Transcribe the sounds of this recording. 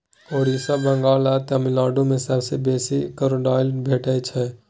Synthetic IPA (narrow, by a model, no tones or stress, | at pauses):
oɽisəbəŋɡalat̪əmilɔːɖõmẽsəbsebesikəɾoɖalbʱeʈət͡ʃʰɛ